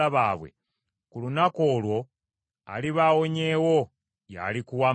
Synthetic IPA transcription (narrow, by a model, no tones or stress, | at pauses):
aβaːβwḛ | kulunako̞ːlwo̞ | a̰liβawo̞ɲe̞wo̞ | ja̰likuwa